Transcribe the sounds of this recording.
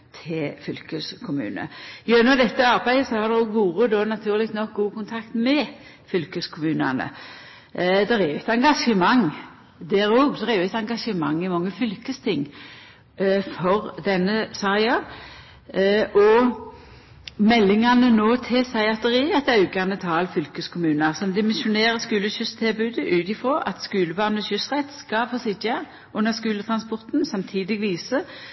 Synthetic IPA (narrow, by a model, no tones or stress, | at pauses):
t̪ʰɪlfʏlkəskʰʊmʉ̰ːnə̰ɪønɑd̪ɛt̪ːəɑʁbæɪd̪əsɔhɑd̪ɛɡʋuːʁəd̪oːnɑt̪ʰʉːʁlɪkt̪nɔk̚ɡuːkʊnt̪ʰɑkt̪mɛ | fʏlkəskʰʊmʉːnɑ̰nə̰ | d̪ɛɾɛjʉɛt̪ɑŋɡɑʂəmɑŋ | d̪æːɾoːɡsɔʁɛjʊɛt̪ɑŋɡɑʂəmɑŋːɪmɑŋːəfʏlkəst̪ʰɪŋː | fɔʁd̪ɛnːəsɑɪɑ | ʔɔ | mɛlːɪŋɑnənoːt̪ʰɪsɑɪɑt̪əʁiːɛt̪ɑʉkɑnət̪ʰɑːlfʏlkəskʰʊmʉːnəʁsɔmd̪ɪmɪsʊneːʁəskʉːləɕʏst̪ʰɪlbʉːd̪əʔʉːt̪ɪfʁɔʔɑ̰t̪skʉːləbɑʁnɔɕʏsʁɛt̪skɑfoːsɪdɑ | ʉnːəʁskʉːlət̪ʰʁɑnspɔʁt̪nsɑmt̪ʰiːd̪ɪɡʋiːsə